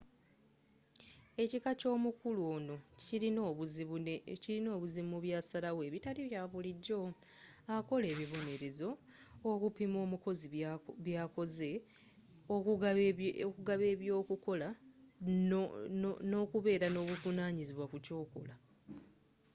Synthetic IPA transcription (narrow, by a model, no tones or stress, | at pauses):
e̞cikaco̞ːmukuluoːno̞i | ciɾino̞ːβuzimuβjasalawe̞ːβitaliβjaːβuliɟːo̞ | ako̞le̞ːβiβo̞ne̞ɾe̞zo̞ː | kupimo̞ːmuko̞ziβjaːko̞ze̞ | ok | kuɡaβe̞ːβjo̞ːkuko̞la | no̞kuβe̞ːɾano̞ːβuvunaːɲiziβwakuco̞ːkola